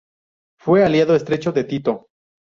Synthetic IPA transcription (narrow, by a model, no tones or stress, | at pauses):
fwealjaðoest̪ɾe̞t͡ʃo̞ðe̞t̪it̪o